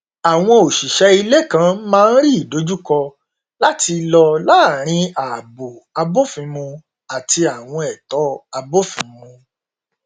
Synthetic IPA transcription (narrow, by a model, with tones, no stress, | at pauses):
a˨w̃ɔ̃˧o˨ʃi˨ʃɛ˧i˧le˦˨kã˨˦mãː˦˧n̩˦ɾi˦i˨do˨˦d͡ʒu˦kɔ˧ | la˦ti˧lɔ˧la˦˨ɾ̃ĩ˧a˨bo˨a˧bo˦fĩ˨˧mũ˧ | a˨ti˧a˨w̃ɔ̃˧ɛ˨tɔ˨˦a˧bo˦fĩ˨˧mũ˧